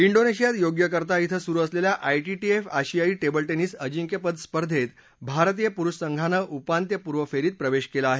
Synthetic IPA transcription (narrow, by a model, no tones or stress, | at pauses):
iɳɖoneɕijat̪joɡjəkəɾt̪ait̪ʰəsuɾuəsleljaʔajʈiʈiefaɕijaiːʈebəlʈeniːsəd͡ʑiŋkjəpəd̪spəɾd̪ʱet̪ | bʱaɾt̪̬ijəpuɾuɕsəŋɡʱanəʔupant̪̬jəpuɾʋəfeɾiːt̪̚pɾəʋeɕkelaaːɦe